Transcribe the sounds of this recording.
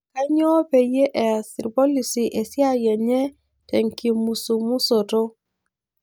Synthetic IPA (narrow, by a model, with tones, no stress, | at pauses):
ka˦ɲɔ˦pe˨je˦ʔɛ˨a˨si˨ɾbo˦li˨si˨ʔe˨si˦a˦˨jɛ˨ɲɛ˦ | tɛ˨ŋki˨mu˨su˨mu˦so˨to˦